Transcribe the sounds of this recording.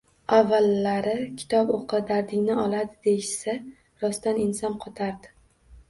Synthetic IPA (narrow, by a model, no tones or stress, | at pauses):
avːalːaɾɪkʲʰɪ̥t̪ʰɒboqʰɨd̪aɾd̪ɪŋʲnɪɒlˠad̪ɪd̪ejʃsa | ɾɒst̪anɪnsɒnqʰɒt̪ʰaɾd̪ɪ